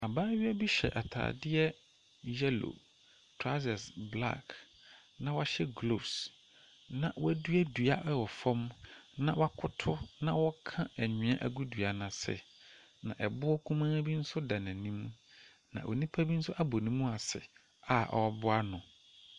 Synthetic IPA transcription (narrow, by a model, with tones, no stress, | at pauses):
a˨baː˦ɥɪ˦ɛ˦bi˦ɕɛ̰˨ʔa˨tʰa̰ː˨dɪ˦ɛ˦ | jɛ˦lo̰˨ | tʰɾa˦sa˨sbla̰˦˨k | nã˨wa˦ɕɛ˦ɡlo˨s | nã˨wæ˦du˦æ˦du˨a˦ʔɛ˦wɔ˨fɔ̃˦mnã˨wa˦kʰʊ˦tʰʊ˦nã˦wɔ˦kʰã˦æ˨ɲᶣɪ̃˨˦ã̰˦ʔæ˨ɡu˦du˨a˨nã˨sɪ̰˨ | nã̰˨ʔɛ˨bʊ˦ɔ˦kʰũ˦mãː˦bi˦n̩˦sʊ˦da˨nã˨nĩ˦m̃˦ | nã̰˨ʔo̰˨nĩ˦pʰa˦bi˦n̩˦sʊ˦ʔa˦bo˨nĩ˦mũ˦a˨sɪ̰˨ | a˨ʔɔ̰˨ɔ˦bʊ˦a˦nʊ̃˨